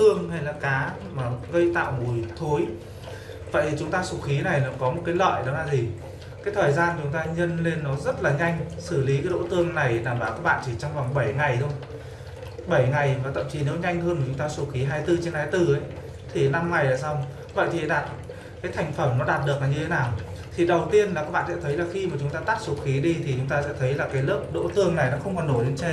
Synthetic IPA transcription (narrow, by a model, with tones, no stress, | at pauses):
t̪ɨ˧əŋɦa˧jlaː˨˩kaː˨˦ | maː˨˩ɣə˧jt̪a̰ː˧˨wmu˨˩jt̪ʰo˨˦j | və̰˧˨t̪ʰi˨˩t͡ɕʊ˨˦ŋ͡mt̪aː˧su˨˧˩t̚xi˨˦na˨˩jla˨˩kɔ˨˦mo˨˩t̚kaː˨˦jlə̰ː˧˨jɗə˨˦wlaː˧˩zi˨˩ | kaː˨˦jt̪ʰəː˨˩jzaː˧nt͡ɕʊ˨˦ŋ͡mt̪aː˧ɲə˧nle˧nːɔ˨˦zə˦˥t̚laː˨˩ɲa˧jŋ̟sɨ˧˩li˨˦kaː˨˦jɗo̰˧˥t̪ɨ˧əŋna˨˩jɗaː˧˩mɓaː˧˩wkaː˦˥k̚ɓa̰ː˧˨nt͡ɕ̪i˧˩t͡ɕɔ˧wŋ͡mva˨˩ŋɓə˧˩jŋa˨˩jt̪ʰə˧wŋ͡m | ɓə˧˩jŋa˨˩jvaː˨˩t̪ə̰˧˨mt͡ɕi˨˦ne˨˦wɲa˧jŋ̟ɦəː˧nə˨˩t͡ɕʊ˨˦ŋ͡mt̪aː˧su˨˦xi˨˦ɦaː˧jt̪ɨ˧t͡ɕe˧nhaː˧jt̪ɨ˧ʔə˨˦j | t̪ʰi˨˩na˧mŋa˨˩jlaː˨˩sa˧wŋ͡m | və̰˧˨jt̪ʰi˨˩˧ɗaː˨˩t̚ | kaː˨˦jt̪ʰa˨˩jŋ̟fə˧˩mnɔ˨˦ɗaː˨˩t̚ɗɨ˨˩ək̚a˨˩ɲɨ˧e˨˦naː˨˩w | t̪ʰi˨˩ɗə˨˩wt̪i˧ənla˨˩kaː˦˥k̚ɓa̰ː˧˨sɛ̰˧˥t̪ʰjlaː˨˩xi˧maː˨˩t͡ɕʊ˨˦ŋ͡mt̪aː˧t̪a˦˥t̚su˨˦xi˨˦ɗi˧t̪ʰi˨˩t͡ɕʊ˨˦ŋ͡mt̪aː˧sɛ̰˧˥t̪ʰə˨˦jlaː˨˩kaː˨˦jlɨ˦˥əp̚ɗo̰˧˥t̪ɨ˧əŋna˨˩jnɔ˨˦xə˧wŋ͡mkɔ˨˩nːo˧˩jt͡ɕe˧